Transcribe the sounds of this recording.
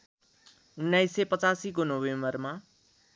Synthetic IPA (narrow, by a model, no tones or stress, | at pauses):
unːajsːepʌt͡sasikonobembʌrma